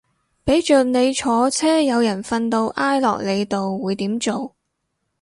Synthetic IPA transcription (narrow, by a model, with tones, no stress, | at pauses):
pe˨˥jt͡ʃœː˨k̚ne˨˧jt͡ʃʰɔː˨˧t͡sʰɛː˥jɐ˨˧wjɐ˨˩nfɐ˧nt̪o˧wʔaː˥jlɔ̰ː˨k̚le˨˧jt̪o˨wːuː˨˧jt̪iː˨˥mt͡so˨w